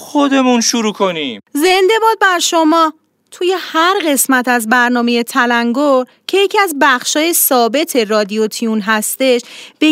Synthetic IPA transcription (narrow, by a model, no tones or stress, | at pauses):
xod̪e̞munʃuɾuːkʰonimze̞nd̪e̞bɒːd̪̚bæɾʃo̞mɒː | t̪ʰuje̞hæɾɢe̞smæt̪ʰæzbæɾnɒːme̞je̞t̪ʰælæŋɡoɾ | cʰe̞jecʰiæzbæxʃɒːje̞sɒːbe̞t̪ʰe̞rɒːd̪ijot̪ʰiunɦæst̪e̞ʃb̥e